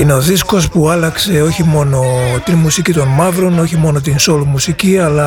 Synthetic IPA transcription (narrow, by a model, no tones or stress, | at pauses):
ine̞o̞ðisko̞spuɐlɐkse̞o̞çimo̞no̞t̪inmusicit̪o̞nmɐvɾo̞no̞çimo̞no̞t̪inso̞lmusiciɐlɐ